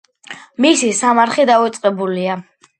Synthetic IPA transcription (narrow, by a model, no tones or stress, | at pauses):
misisamaɾχid̪avɛt̪sʼqʼɛbulia